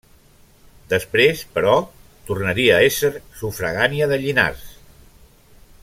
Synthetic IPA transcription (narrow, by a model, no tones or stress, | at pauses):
d̪əspɾespəɾɔ | t̪urnəɾiəːesəɾsufɾəɣaniəðəʎina̰rs